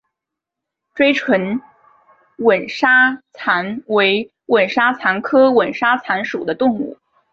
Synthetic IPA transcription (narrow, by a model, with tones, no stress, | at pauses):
ʈ͡ʂwe˥ɪʈ͡ʂʰwə˧˥n | wə˨˩nʂa˥t͡sʰa˧˥nwe˧˥ɪ | wə˨˩nʂa˥t͡sʰa˧˥nkʰɤ˥wə˨˩nʂa˥t͡sʰa˧˥nʂṵ˨˩d̪ə˦t̪ʊ˥˧ŋṵ˥˩